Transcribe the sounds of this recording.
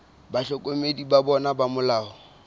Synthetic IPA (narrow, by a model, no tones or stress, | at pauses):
baɬɔkʼomedibabɔnabamʊlaːɔ